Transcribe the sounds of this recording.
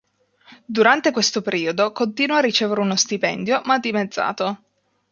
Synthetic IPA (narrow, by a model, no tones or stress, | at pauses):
d̪uɾant̪ekwest̪opeɾiːod̪okont̪iːnwarːit͡ʃeːveɾeunost̪ipɛ̰nd̪jomad̪ːimed̪zːa̰ːt̪o